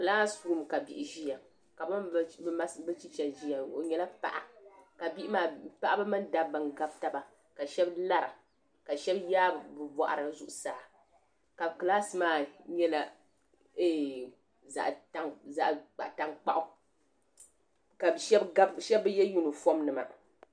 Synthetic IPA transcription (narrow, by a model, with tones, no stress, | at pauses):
kɨ˨la˦su˨ɾu˦m˨ka˨bi˨ʔɪ˨ʒi˦ja˨ | ka˨bɨ˦a˦sbɨ˦t͡ʃi˦t͡ʃɛ˨ʒi˦ja˨o˨ɲɛ˦la˦pa̰˦ʔa˦ka˨bi˦ʔɪ˦maː˨pa˦ʔa˦bɨ˦mɨ˦nda˨bbɨ˨nɡa˦b̚ta˨ba˨ | ka˨ʃɛ˦bla˦ɾa̰˨ | ka˨ʃɛ˦bjaː˦bbɨ˨bɔ̰˨ʔa̰˨ɾɨ˨˦zu˦ʔʊ˨saː˨ | ka˨bkɨ˨laː˦sɨ˨maː˨ɲɛ˦la˦ | e˦ | za̰˨ʔta˦ŋza˦˨ʔk͡pa̰˨ʔta˦ŋk͡pa̰˦ʔʊ˦ | ka˨ʃɛ˦ba˦bʃɛ˦bɨ˦jɛ˦ju˦nɨ˨fo˦mnɨ˨ma̰˨